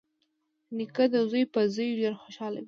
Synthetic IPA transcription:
nikad̪əzujpəzəjʒaɾxoʃɑla̰wi

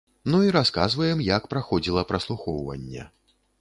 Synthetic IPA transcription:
nuiɾaskazvɐjɛmjɐkpɾaxɔd͡zʲilˠɐpɾɐslˠuxɔwvɐ̰nʲːɛ̰

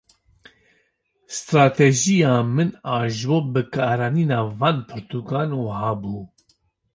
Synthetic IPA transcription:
st̪ɾaːt̪ʰɛʒijɑːmɨnɑːʒwoːbɨkʰɑːɾaːniːnɑːvɑːnpʰɨɾt̪ʰuɡɑːnuːhɑːbuː

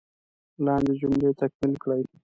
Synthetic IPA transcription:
lɑnd̪ed͡ʒʊmɽet̪akmilkɽaj

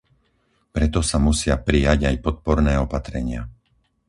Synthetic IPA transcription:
pɾɛt̪ɔsamusɪapɾijaɟajpɔt̪̚pɔɾnɛːɔpat̪ɾɛɲɪa

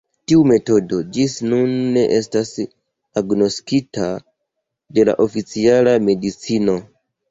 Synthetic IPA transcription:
tiume̞to̞do̞d͡ʒisnunːe̞ʔe̞stas | aɡno̞skita | de̞la̰ʔo̞fit͡sialame̞dit͡sino̞

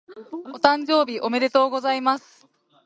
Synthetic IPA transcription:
o̞t̪ãɲ̟d͡ʑo̞ːbʲiʔo̞me̞ɾe̞t̪o̞ːɡo̞zaimasɨ̥

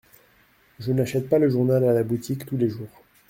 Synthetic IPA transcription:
ʒənaʃɛt̪̚paləʒuʁnalalabut̪ʰikt̪uleʒuːʁ

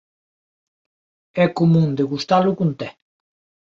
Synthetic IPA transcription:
ɛkomũnd̪eɣust̪alʊkunt̪ɛ

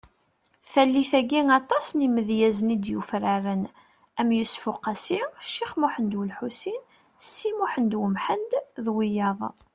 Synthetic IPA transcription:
θælːiθæɡiŋɑt̪ˤɑsniməðjæznid̪jufɾaɾən | æmjʊsfʊqæsiʃːiχmuħənd̪wəlħusin | sːimuħənd̪wəmħənd̪ðwijɑðˤ

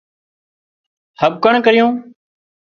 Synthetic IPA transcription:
həb̚kəɳkəɾɪjõː

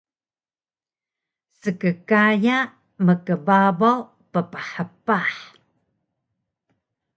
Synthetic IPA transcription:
səkəkaja | məkəbabaw | pəpəħəpaħ

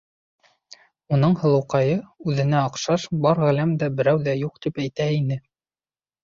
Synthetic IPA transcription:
unɤɴhɤ̆lˠɤ̆wqɑjɤʉðɘ̆næɑqʃɑʃbɑɾʁælæmd̪æbɘ̆ɾæwðæjuq̚t̪ipæjt̪æinɘ

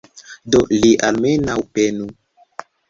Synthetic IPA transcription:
doliʔalmenawpenu

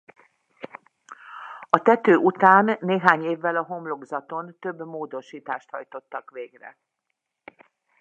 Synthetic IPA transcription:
ɒt̪ɛt̪øːʔut̪aːnːeːɦaːɲeːvːɛlɒɦo̞mlo̞ɡzɒt̪o̞nt̪ø̞bːmoːd̪o̞ʃiːt̪aːʃt̪hɒjt̪o̞t̪ːɒkʋeːɡrɛ̰

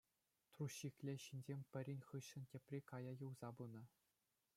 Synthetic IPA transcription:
t̪ruɕːikʲlʲĕɕinʲd͡ʑʲemʲpʲɘ̆ɾʲinʲχɯɕːɘ̆ntʲepʲrʲekɑjɑjɤ̆wzɑbunɤ̆

